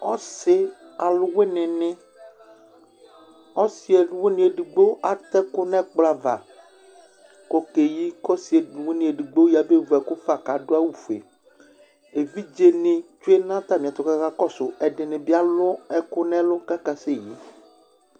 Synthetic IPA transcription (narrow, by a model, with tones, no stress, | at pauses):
ɔ˦sɪ˦ | a˨lʊ˦we˦nɪ̃˨nɪ̃˦ | ɔ˦si˨˦e˨n˦we˦nĩ˨˦e˨ɖi˨ɡ͡be˦ʔa˨t̪ɛ˦kʊ˦nɛ̃˦k͡pla˨va̰˨ | kɔ˦ke˨ji˦kɔ˦si˨e˨dwe˦nĩ˨e˨ɖi˨ɡ͡be˦ji˦a˨be˦vɛ˨kʊ˦fa˨ka˨dʊ˦a˦wu˨fḛ˨ | e˨vi˦d͡ʒe˦nɪ̃˨t͡ʃo˦e˦nã˦t̪a˦mĩ˨a˨t̪ɔ˨kka˦kɔ˦sʊ˨ɛ˨ɖɪ˨nɪ̃˨bi˦a˦lʊ˦ɛ˨kʊ˦nɛ̃˦lʊ˦ka˦ka˨se˦˨ji˦